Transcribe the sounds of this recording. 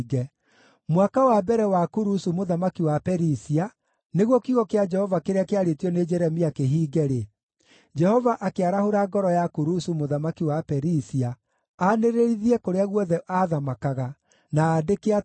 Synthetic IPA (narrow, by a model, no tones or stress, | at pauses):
ɡɛ | mwakawabɛɾɛwakuɾusumoðamakiwapɛɾisia | neɣwɔkiɣɔkead͡ʒɛhɔvakeɾeakeaɾetiɔned͡ʒɛɾɛmiakeɦiːɡɛɾe | d͡ʒɛhɔvaʔakeaɾahoɾaɡɔɾɔjakuɾusumoðamakiwapɛɾisia | aneɾeɾiðiɛkoɾeaɣwɔðɛʔaðamakaɣa | naːdekea